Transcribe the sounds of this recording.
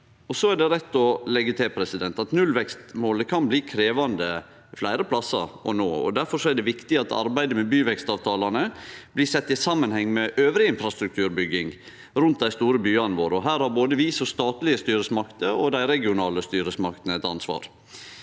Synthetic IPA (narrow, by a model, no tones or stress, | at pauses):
ɔsɔæɖɛɾɛt̪ːɔlɛɡːət̪ʰɪlpʰɾɛsɪd̪ɛnt̪ɑt̪nʉlʋɛkst̪moːləkʰɑnbliːkʰɾeːʋɑnd̪ə | flæɪɾəpʰlɑsːɑ̰ɾɔ̰noːɔ̰d̪æɾfɔɾʂɔæɖ̪ɛʋɪkt̪ɪɑt̪ɑ̰ɾbæɪd̪əmɛbyːʋɛkst̪ɑːʋt̪ʰɑːlɑnəb̥lɪsɛt̪ːɪsɑmːənhɛŋːmɛʔøːʋɾɪɪnfɾɑst̪ɾʉk̚t̪ʰʉːɾbʏɡːɪŋ | ɾʉnt̪̚d̪æɪst̪uːɾəbyːɑnʋoːɾɔɦæːɾhɑɾboːd̪əʋisɔst̪ɑːt̪lɪəst̪yːɾəsmɑkt̪əɔd̪æɪɾɛɡɪʊnɑːləst̪yːɾəsmɑkt̪ənəɛt̪ɑnsʋɑ̰ːɾ